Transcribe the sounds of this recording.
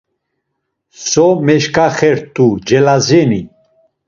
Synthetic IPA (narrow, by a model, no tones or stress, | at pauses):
sɔmɛʃkʼaχɛɾt̪ʼud͡ʒɛlazɛni